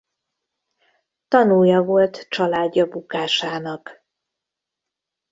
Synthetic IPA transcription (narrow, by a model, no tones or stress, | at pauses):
t̪ɒnujɒvo̞lt̪t͡ʃɒlaːɟːɒbukaːʃaːnɒk